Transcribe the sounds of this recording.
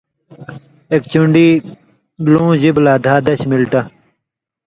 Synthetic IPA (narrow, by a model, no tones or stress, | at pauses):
ek̚t͡ɕuɳɖiː | lõːʑiblaːd̪ʱaːd̪ɐɕmilʈɐ